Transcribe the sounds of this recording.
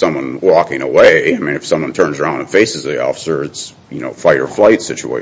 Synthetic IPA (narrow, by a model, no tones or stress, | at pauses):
sʌ̃mwʌ̃nwɔkɪ̃ŋə̰weɪaɪmĩnɨfsʌ̃mwʌ̃ntʰɜ̃˞nzãʊ̃nðəfeɪsɨzðiɔ̰fə̥sə˞ɨts | jɨno̰ʊfaɪə̰˞flaɪtsɪt͡ʃṵḛɪ